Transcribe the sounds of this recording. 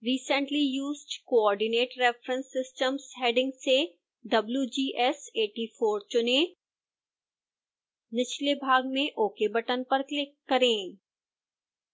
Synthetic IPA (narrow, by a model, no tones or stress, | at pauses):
ɾiːsə̃ɳʈlijuːzɖkoɔːɾɖɪneːʈɾɛfɾə̃nsɪsʈəmsɦeːɖɪ̃ŋɡse | ɖɐbljud͡ʒiːʔɛseːʈifʰoːɾt͡ʃʊnẽ | nɪt͡ʃlebʱaːɡ̚mẽʔoːkebɐʈənpɐɾklɪkːɐɾẽː